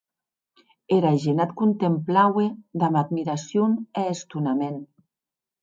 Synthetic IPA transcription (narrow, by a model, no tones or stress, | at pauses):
eɾaʒenat̪kunt̪emplawed̪amad̪miɾasjuneːst̪unamen